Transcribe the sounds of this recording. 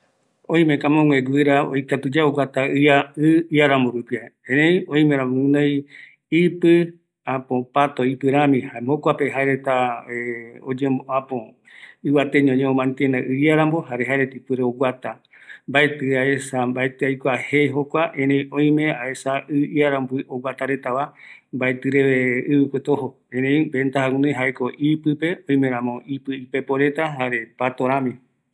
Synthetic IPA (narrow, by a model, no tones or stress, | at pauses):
õj̃mekamõŋẽɡʷɨɾao̰jkat̪ɨd͡ʒaoɡʷat̪aɨaɨiaɾamboɾupiaẽɾẽjõj̃meɾãmũnõj | ipɨ | apõpat̪oipɨɾamĩhamokʷapeɦaeɾet̪aeod͡ʒemboʔapõ | ɨβat̪eɲõɲẽomãnt̪enaʔɨaɾamboɦaɾeɦaeɾet̪ipɨɾeoɡʷwat̪a | mbaet̪ɨaesambaet̪ɨajkʷahejɦokʷaʔẽɾej̃õj̃mẽaesaɨiaɾambiʔowat̪aɾe̞t̪aβambaet̪ɨɾeβeɨβɨkʷet̪oɦo | ẽɾẽj̃bent̪ahaũnẽɦaeko̞ʔipɨpe̞õ̞j̃mẽɾ̃ãmõ̞ipɨipe̞poɾe̞t̪aɦaɾe̞pat̪oɾãmĩ